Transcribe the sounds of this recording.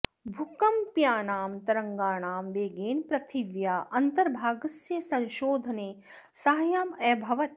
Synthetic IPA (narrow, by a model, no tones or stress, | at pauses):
bʱukɐmpjaːnaːmt̪ɐɾɐŋɡaːɳaːmʋeːɡeːnpɾɐt̪ʰiʋjaːʔɐnt̪ɐɾbʱaːɡɐsjɐsɐ̃nʃoːd̪ʱɐneː | sɐɦɐjaːmɛːbʱɐʋɐt̪̚